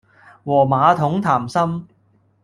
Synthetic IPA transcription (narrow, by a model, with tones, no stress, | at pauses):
wɔː˨˩maː˨˧t̪ʰʊ˨˥ŋt̪ʰaː˨˩msɐ˥m